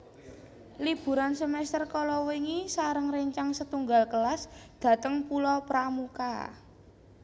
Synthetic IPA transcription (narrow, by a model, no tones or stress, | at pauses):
lib̥ṳɾansəmɛst̪ərkɔlɔwiŋisaɾəŋɾeɲt͡ʃaŋsət̪uŋɡalkəlasd̪̥a̤t̪əŋpulɔpɾamuka̰